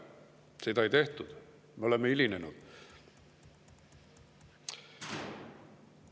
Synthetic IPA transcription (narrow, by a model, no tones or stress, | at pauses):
sit̪ɑit̪eht̪ud̪̥ | meolemːeilinenud̪̥